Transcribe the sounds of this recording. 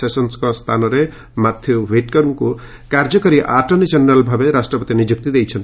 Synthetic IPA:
sesɔnskɔst̪ʰanɔɾe | mat̪ʰːjobʱeʈkɔɾumku | kaɾd͡ʒɔkɔɾiʔaʈɔnid͡ʒenɾalbʱabeɾasʈɾɔpɔt̪inid͡ʒuk̚t̪id̪ejt͡ʃʰʌnt̪

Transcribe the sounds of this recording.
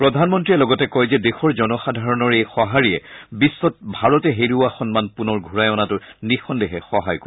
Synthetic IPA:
pɹɔdʱanmɔntɹiɛlɔɡɔtɛkɔjzɛdexɔɹzɔnɔxadʱaɹɔnɔɹejxɔɦaɹiɛbisːɔt̚bʱaɹɔtɛɦeɹuaxɔnmanpunɔɹɡʱuɹajɔnatʊnixɔndɛɦɛxɔɦajko

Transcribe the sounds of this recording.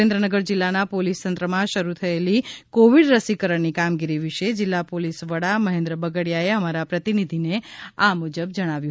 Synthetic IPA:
ẽnd̪ɾənəɡəɾd͡ʒɪlːanapolist̪ənt̪ɾəmãʃəɾut̪ʰəelikoʋiɽɾəsikəɾəɳnikamɡiɾiʋiʃed͡ʒɪlːapolisʋəɽaməɦẽnd̪ɾəbəɡəɽjaeəmaɾapɾət̪inid̪ʱineamud͡ʒəb̚d͡ʒəɽ̃aʋju

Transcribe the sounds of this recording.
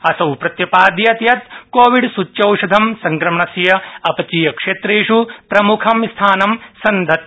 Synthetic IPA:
ɐsɐwpɾɐt̪jɐpaːd̪jɐt̪jɐt̪koːʋiɖsut͡ʃjɐwʃɐd̪ʱɐmsɐŋkɾɐmɳɐsjɐɐpɐt͡ʃiːjɐkʂeːt̪ɾeːʂupɾɐmukʰɐmist̪ʰaːnɐmsɐnd̪ʱɐt̪̚

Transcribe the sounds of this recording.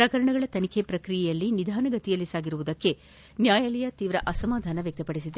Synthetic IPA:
pɾɐkɐɾɐɳɐɡɐɭɐt̪ɐnikʰepɾɐkɾijɛjɐlːinid̪ʱaːnɐɡɐt̪ijɐlːisaːɡiɾuʋud̪ɐkːe̞ | njaːjalɛjɐt̪iːʋɾɐʔɐsɐmaːd̪ʱaːnɐʋjɐk̚t̪ɐpɐɽis̬id̪e

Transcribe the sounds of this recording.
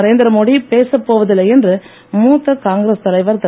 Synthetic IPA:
ɐɾeːnd̪ɪɾɐmoːɽipeːsɐpːoːʋɐðɯlːɐɛndrɯ | muːt̪ːɐkaːŋɡɾest̪ɐlɐɪʋɐɾt̪ɐ

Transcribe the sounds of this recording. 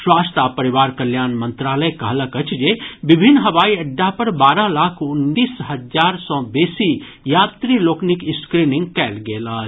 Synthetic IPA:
swast̪apəɾiʋaːɾkəljaːnmənt̪ɾaːləjkə̰ɦləkət͡ʃʰd͡ʒebibʱinːɦəʋaːiəɖːapəɾbaːɾəlaːkʰuniːsɦəd͡ʒaɾsɔ̃besi | jaːt̪ɾiloːknikɪskɾiniŋɡkɛːlɡeːləɦt͡ʃʰ

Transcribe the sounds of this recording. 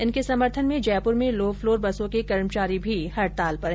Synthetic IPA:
ɪnkesɐməɾt̪ʰənmẽd͡ʒɛːpʊɾmẽloːfloːɾbɐsõkekɐɾmt͡ʃaːɾibʱihɐɾt̪aːlpɐɾɦɛ

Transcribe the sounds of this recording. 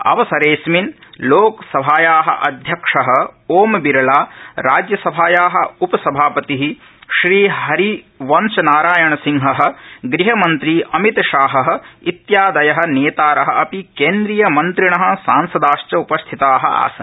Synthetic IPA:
ɐ̰ʋɐsɐɾeːsminloːksɐbʱaːjaːɦɐ̰̆ʔɐd̪ʱjɐkʂɐɦɐ̆oːmbiɾɐlaːɾaːd͡ʒjɐsɐbʱaːjaːɦɐ̆upɐsɐbʱaːpɐt̪iɦi | ʃɾiːɦɐɾi | ʋɐnt͡ʃɐnaːɾaːjɐɳɐsiŋɦɐɦɐ̆ɡɾiɦɐmɐnt̪ɾiɐmit̪ɐʃaːɦɐɦɐ̆it̪jaːd̪ɐjɐɦɐ̆neːt̪aːɾɐɦɐʔɐpikeːnd̪ɾijɐmɐnt̪ɾiɳɐɦɐ̆saːnsɐd̪aːʃt͡ʃɐupɐst̪ʰit̪aːɦɐ̰a̰ːsɐ̰n

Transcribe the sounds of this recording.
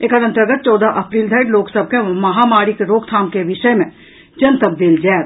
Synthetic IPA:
eːkɐɾə̃nt̪əɾɡət̪̚t͡ʃɔːd̪aʔɐpɾiːld̪ʱɐɪʈloːksəb̚kemɐɦamaːɾikeɾoːkt̪ʰaːmkeʋɪʃəjmẽ | d͡ʒɐnt̪əb̚d̪eːld͡ʒɛːt̪

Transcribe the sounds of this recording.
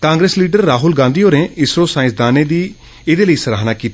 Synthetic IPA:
kãːŋɡɾesliːɖəɾːaːɦʊlɡãːnd̪iːoːɾnẽːɪsɾoːsaːɪ̃sd̪aːneːd̪iː | ɪd̪eːləiːsəɾaːɦnaːkiːt̪ː

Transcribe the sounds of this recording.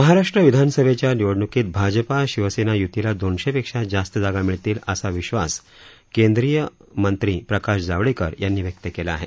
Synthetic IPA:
məɦaɾaʂʈɾəʋid̪ʱansəbʱet͡ɕjaniʋoɽɳukiːt̪̚bʱad͡ʑəpaɕiʋəsenajut̪ilad̪onɕepekʂad͡zast̪əd͡zaɡamiɭt̪iːləsaʋiɕʋa̰s | kend̪ɾijəmənt̪ɾiːpɾəkaʂd͡zaʋɽikəɾjʔanːiːʋjək̚t̪əkelaːɦe

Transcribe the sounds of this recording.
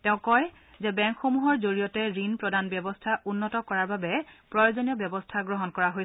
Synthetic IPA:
tɛʊ̃kɔj | zɛbɛ̃ŋkxomuɦɔɹzoɹijɔtɛɹinpɹɔdanbjɔbɔstʰaʔunːɔtɔkɔɹaɹbabɛpɹɔjozoniɔbjɔbɔstʰaɡɹɔɦɔnkɔɹaɦoj

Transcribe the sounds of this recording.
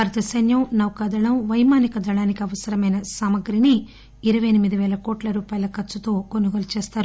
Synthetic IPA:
ɐɾt̪ɐsɐnjɐwnɐwkɐd̪ɐɭɐwʋɐjmaːnikɐd̪ɐɭaːnikiɐʋɐsɐɾɐmɐjnɐsaːmɐɡɾini | iɾɐʋɐjɐnimid̪iʋɛːlɐkɔːʈlɐɾuːpaːjɐlɐkɐt͡ʃːut̪o̞ːkonuɡɐlt͡ʃɛːst̪aːɾu

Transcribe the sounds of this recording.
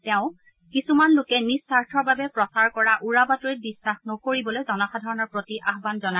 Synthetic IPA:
tɛʊ̃ | kisumanlʊkɛnisːaɹtʰɔɹbabɛpɹɔsaɹkɔɹaʔuɹabatoj̚bisːaxnɔkoɹibɔlojzɔnɔxʰadʱɔɹɔnɔɹpɹotiʔaxbanzɔna

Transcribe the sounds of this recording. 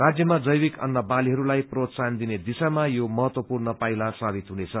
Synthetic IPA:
rad͡zjʌmad͡zʌjwikʌ̰nːʌbaliɦʌɾulajprot̪sand̪ined̪isamajomʌɦʌt̪wʌpurnʌpajlasabit̪ɦunet͡sʰʌ

